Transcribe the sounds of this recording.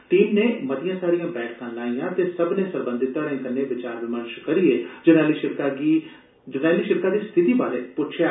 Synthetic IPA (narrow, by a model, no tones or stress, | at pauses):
ʈiːmneːməd̪ɪjãːsaːɾijãːbɛːʈʰkãːlaːĩjãːt̪eːsəbnẽːsəɾbə̃nd̪ɪt̪ːaːɾẽːkənːeːʋɪt͡ʃaːɾʋɪməɾʃkəɾieːd͡ʒənaːliːʃɪɾkaɡi | d͡ʒənaːliːʃɪɾkaːd̪iːst̪ʰɪt̪iːbaːɾeːpʊt͡ʃʰja